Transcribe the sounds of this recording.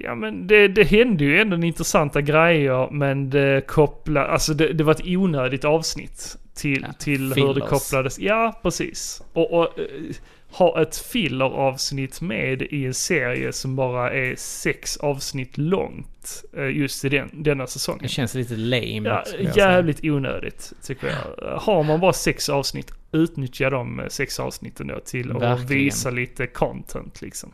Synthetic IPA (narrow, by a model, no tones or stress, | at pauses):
jɑ̰ːmɛnd̪ɛd̪ɛɦɛnd̪əjɵɛnd̪ɔɛnɪnt̪ɾəsant̪aɡɾɛjːəɾmɛnd̪ɛkʰɔpla̰ʔa̰lsɔd̪ɛd̪ɛvaɾɛt̪uːnøːd̪ɪt̪ɑːvsnɪ̰t̪ʰː | ɪt̪ʰɪlhhɵdɛkʰɔplad̪əsjɑːpʰɾɛsḭːsɔʔ | hɑːʔɛt̪fɪlːəɾɑːvsnɪt̪ːmeːd̪ɪɛnseːɾɪ̰ə̰sɔmbɑːɾaʔæɾsɛksɑːvsnɪt̪ːlɔ̰ŋt̪jɵst̪ɪd̪ɛnd̪ɛnːasɛsɔ̰ŋːɛɕɛnsliːt̪əlḛjmjɑ̰ːjæːvlɪt̪ʰuːnø̰ːd̪ɪ̰ɡ̚t̪ʰːʏkːəɾjɑ̰haɾmanbɑːɾasɛksɑːvsnɪ̰t̪ːʉ̟ːt̪nʏt̪ʰjad̪ɔmsɛksɑ̰ːvsnɪt̪ʰːənd̪o̰ːt̪ʰɪlɔviːsaliːt̪əkʰɔnt̪ʰɛ̰nt̪ʰlɪksɔm